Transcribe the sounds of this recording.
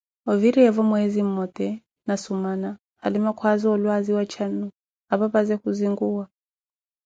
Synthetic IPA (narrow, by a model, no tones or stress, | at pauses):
ɔviɾiɛvɔmwɛzim̩mɔt̪ɛ | nasumana | alimakʰwaziɔlwaziwat͡ʃʰanu | aβapazɛhuziŋɡuwa